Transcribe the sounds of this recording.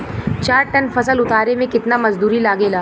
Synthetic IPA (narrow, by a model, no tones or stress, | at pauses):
t͡ʃaːɾʈɐnfɐsəlʊt̪aːɾemẽkɪt̪namɐzd̪uːɾilaːɡeːlaː